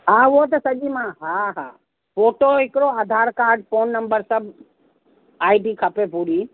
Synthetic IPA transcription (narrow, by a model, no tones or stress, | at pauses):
ɦãʋot̪ɐsɐɡimãɦãɦãː | poːʈoɪkɾoaːd̪ʱaːɾkaːɾɖpʰoːnːəmbəɾsəb | aːiɖikʰəpepuɾiː